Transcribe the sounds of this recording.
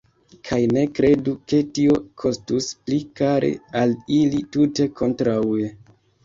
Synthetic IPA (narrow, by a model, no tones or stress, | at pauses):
kʰajne̞kɾe̞duke̞tio̞kʰo̞stusplikaɾḛalilitute̞kʰo̞ntɾaue